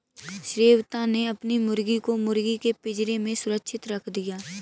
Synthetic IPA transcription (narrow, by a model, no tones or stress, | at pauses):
ʃɾeːwt̪ãneɐpnimʊɾɡikomʊɾɡikepɪd͡ʒɾemẽsʊɾəkʃʰɪt̪ɾəkʰd̪ijaː